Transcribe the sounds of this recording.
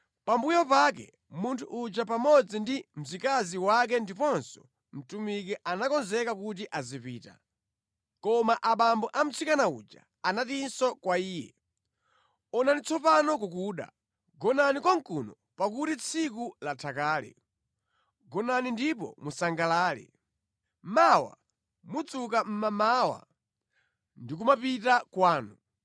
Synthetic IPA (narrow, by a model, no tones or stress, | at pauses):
pambujɔpakɛ̰ | muntʰuʔːd͡ʒapamɔd͡zindim̩zikaziwak̬ɛndipɔnsɔ̥ | m̩tumik̬ɛʔanakɔnzɛkakut̬iʔazipḭːta̰ | kɔmaʔaɓambɔʔam̩t͡sʰikanaṵd͡ʒa̰ | anatinsɔkwaiːjɛ̰ | ɔnanit͡sʰɔpanɔk̬uk̬uːɗa̰ | ɡɔnanikɔŋkunɔ | pak̬utit͡sʰik̬ulatʰakaːlɛ̰ | ɡɔnanindipɔ̰musaŋɡalaːlḭ | mawa̰ | mut͡sukam̩mamawa̰ | ndik̬umapitakwaːnu